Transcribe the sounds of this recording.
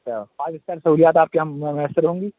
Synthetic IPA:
ɐaaːd͡ʒɪst̪aːɾsɐɦuːlijaːt̪aːp̚keɦɐmːɛ̃mɐəsəɾɦõːŋɡiː

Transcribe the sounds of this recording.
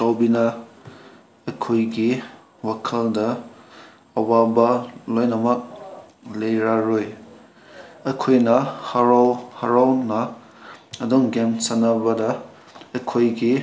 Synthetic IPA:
sawbinɐ | ɐkʰojɡi | wakʰɐldɐ | ɐwabɐlojnɐmɐk̚ | lejɾaɾoj | ɐkʰojnɐhaɾawhaɾawnɐ | ɐdɔŋɡensanɐbɐdɐː | kʰojɡi

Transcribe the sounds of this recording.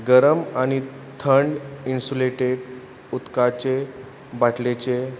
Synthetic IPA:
ɡəɾəmaɽ̃i | t̪ʰəɳɖinsuleʈeɽ | ut̪kat͡ɕe | baʈlet͡ɕe

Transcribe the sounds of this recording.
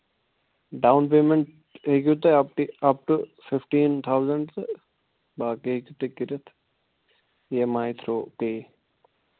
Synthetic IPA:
ɖawnp̬eːmeɳʈ̚ | ɦek̬jut̪eɐp̚ʈiɐp̚ʈufɪfʈiːnt̪ʰawzəɳɖt̪ | baːkeɦikjut̪ekiɾɐt̪ʰ | jemaːjt̪ʰɾoːkeː

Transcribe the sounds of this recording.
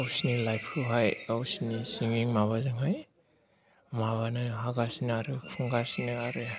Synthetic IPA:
awsnilajpʰkʰɯɦajawsinisiŋiŋmaβazɯŋɦaj | maβanɯɦaɡasinaɾɯpʰuŋɡasinɯaɾɯ

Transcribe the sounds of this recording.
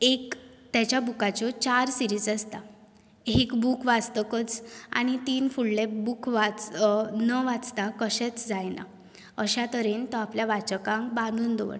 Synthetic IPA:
ekt̪jat͡ɕjabukat͡ɕɔt͡ɕaɾsiɾiːd͡zast̪a | ekbukʋad͡zt̪əkət͡sa̰ñit̪iːnfuɭlebukʋat͡snəʋat͡st̪akəɕɛt͡sd͡zajna̰ | əɕat̪əɾent̪ɔapljaʋat͡ɕəkãŋkbãnd̪ʱuːnd̪ɔʋə̰ɳ

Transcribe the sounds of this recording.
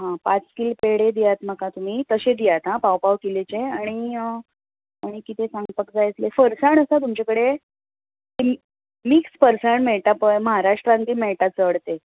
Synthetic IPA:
ɦãpat͡skilpeɽed̪ijat̪m̤əkat̪um̤iːt̪əɕed̪ijat̪ɦãpawpaʋkilet͡ɕeaɽ̃i | aɽ̃ikit̪esãŋɡpəkd͡zajt̪lefəɾsaɳəsat̪̬umt͡ɕakəɽe | t̪e | mikspəɾsaɳmeɭt̪apəjməɦaɾaʂʈɾãnt̪iːmeɭʈat͡səɽt̪e

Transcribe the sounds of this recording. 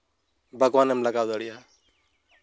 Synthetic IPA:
bʱəɡwanɛmlaɡawd̪aɽijaɦ

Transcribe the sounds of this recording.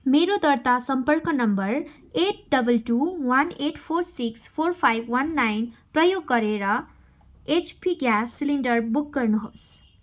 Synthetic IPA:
meɾod̪ʌrt̪asʌmpʌrkʌnʌmbʌr | eʈ̚ɖʌbʌlʈuwaneʈpʰoɾsikspʰorpʰajbʱwanːajnprʌjoɡːʌɾeɾʌ | et͡ʃpʰiɡjasːiliɳɖʌrbuk̚ɡʌrnuɦos

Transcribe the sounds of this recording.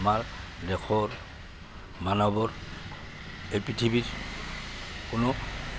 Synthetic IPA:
maɹ | lɛkʰɔɹ | manɔbɔɹ | ejpitʰibiɹ | kʊno

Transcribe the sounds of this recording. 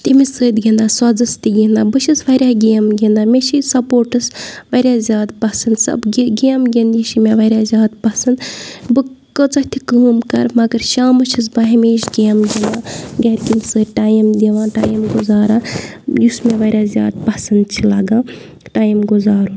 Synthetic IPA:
t̪imisəːd̪ɡind̪aːswɐd͡zɐst̪iɡind̪aːbɨʃʰisʋɐɾʲjaːɡʲeːmɡʲind̪aːmʲeʃisɐpoːɾʈɨsʋɐɾʲjazʲjaːd̪pɐsɐnd̪sɐ̰bɡɡeːmɡind̪jiʃimeʋɐɾʲjaːzʲjaːd̪pɐsɐnd̪bɨkət͡sɐt̪ʰikəːmkɐ̰ɾmɐɡɐɾʃaːmɐt͡ʃʰis̬baɦimeiʃɡeːmɡʲend̪aːɡɐɾʲkimsəːʈaːjimd̪iʋãːʈaːjimɡuzaːɾãːjusmeʋaːɾʲjazʲja̰ːd̪̚pɐsɐnd̪̚t͡ʃʰilɐɡãː | ʈaːjimɡuzaːɾũ

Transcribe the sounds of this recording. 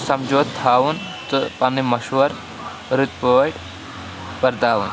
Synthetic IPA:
sɐmd͡ʒoːt̪ʰːaːwunt̪ɨpɐnimɐʃʋɐɾ | ɾɨt̪̚poːʈ | pɐɾd̪aːʋun

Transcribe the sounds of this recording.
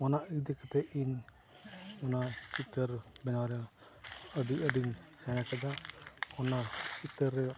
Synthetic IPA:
ɔnaʔid̪ɛkɛt̪ɛin | ɔnatit̪əɾbɛnaɾɛ | əɖiəɖinsɛnakad̪aɔnakit̪əɾːɛ

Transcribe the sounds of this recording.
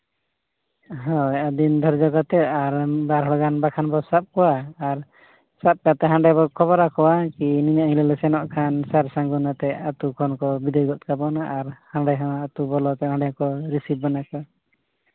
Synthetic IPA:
ɦɔ̃ɛʔad̪ind̪ʱɔɾd͡ʒɔɡat̪ɛaɾbaɾɦɔɽɔɡanbakʰanbɔsap̚kɔwaːɾ | sap̚kat̪ɛɦaɳɖɛbɔkʰɔβɔɾakɔwakiniɲaʔhilɛlɛsɛnɔʔkʰansaɾsaŋɡunat̪ɛat̪ukʰɔnkɔbid̪ɔjɡɔt̪̚ˀkabɔnaʔːɾhaɳɖɛɦawaat̪ubɔlɔt̪ɛɦãɳɖɛkɔɾisip̚banakɔ

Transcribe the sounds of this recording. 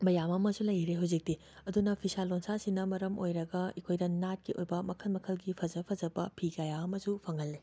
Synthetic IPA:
mɐjamɐmɐsulɐjɾeɦɐwzik̚di | ɐdunɐpʰisalːonsasinɐmɐɾɐmojɾɐɡɐikʰojdɐnat̚kiʔojbɐmɐkʰɐnmɐkʰɐlɡipʰɐzɐpʰɐzɐbɐpʰiɡajaɐmɐsupʰɐŋɐlːi

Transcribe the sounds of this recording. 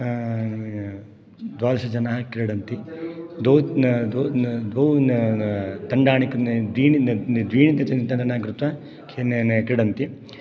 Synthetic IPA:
d̪ʋaːlɐsɐd͡ʒɐnaːkɾɛɽɐnt̪id̪oːwd̪od̪oː | t̪ɐɳɖaːɳikɐd̪ʋiːnid̪ʋiːɳid̪ɐt͡ʃɐnt̪ɐndɐnaːkɾut̪ʋɐ | kʰennkɾɛɽɐnt̪i

